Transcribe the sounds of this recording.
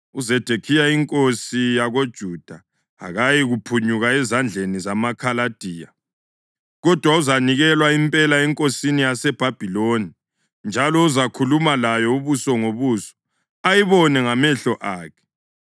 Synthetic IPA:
uzɛd̥ʱekʰijaiŋkʼosijaɣod̥ʒ̥ʱud̥ʱa | a̰ɣajiɣupʰuɲuɣaɛzand͡ɮʱenizamakʰalad̥ʱiːja | ɣɔd̥ʱwauzaniɣɛlwaimpʼɛlaɛŋkʼosinijasɛb̥ʱab̥ʱiloni | nd͡ʒʱalɔuzakʰulumalajɔuβusɔŋoβuːsɔ̥ | ajiβɔnɛŋamɛɬɔʔaːkʰɛ̥

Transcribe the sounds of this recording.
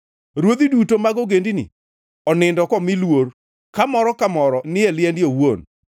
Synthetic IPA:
ɾwod̪idutomaɡoɡendinḭ | ɔnɪndɔkɔmɪlwoɾ | kamɔɾɔkamɔɾɔnɪɛlɪɛndɪowon

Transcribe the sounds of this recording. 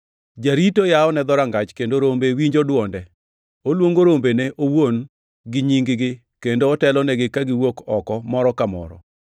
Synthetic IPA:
d͡ʒaɾitojaɔnɛd̪ɔɾaŋɡat͡ʃkendoɾombewiɲd͡ʒodwɔndɛ | olwoŋɡoɾombeneʔowon | ɡɪɲiŋɡɪɡɪ | kendoːtɛlɔnɛɡɪkaɡɪwokɔkɔmɔɾɔkamɔ̰ɾɔ̰

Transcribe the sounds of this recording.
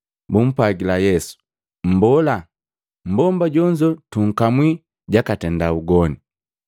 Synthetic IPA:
bum̩pwaɡilajɛsu̥ | m̩bɔla | m̩bɔmbaɟɔɲd͡ʒɔtuŋ̩kamwi | ɟakatɛndauɡɔni

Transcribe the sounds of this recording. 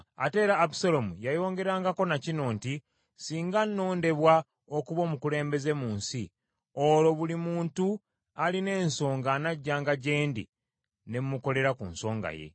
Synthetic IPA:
a̰te̞ːɾaːpu̥salomujajo̞ːŋɡe̞ɾaːŋɡako̞nacino̞ːnti | siːŋɡanːo̞ːnde̞βwa | o̞kuβo̞ːmukule̞ːmbe̞ze̞muːnsi | olo̞βulimuːntu | aline̞ːnso̞ːŋɡanaɟːaːŋɡaɟe̞ːndḭ | ne̞mːuko̞le̞ɾakṵnso̞ːŋɡa̰je̞̰

